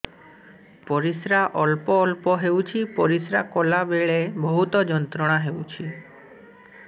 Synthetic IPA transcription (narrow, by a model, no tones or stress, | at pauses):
pɔɾisɾaʔɔlpɔːlpɔɦewt͡ʃʰipɔɾisɾakolabeɭebɔɦut̪ɔd͡ʒɔnt̪ɾɔɽ̃aɦewt͡ʃʰi